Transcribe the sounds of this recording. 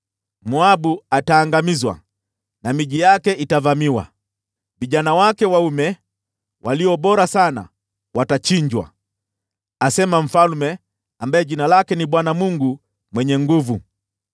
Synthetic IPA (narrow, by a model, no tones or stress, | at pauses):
muaɓuataːŋɡamizwa̰ | namiʄijakɛʔitavamiwa̰ | viʄanawakɛwaumɛ | waliɔɓɔɾasana̰ | watat͡ʃiɲd͡ʒwa̰ | asɛmam̩falmɛ | ambajɛʄinalakɛniɓwanamuŋɡu | mwɛɲɛŋɡuvu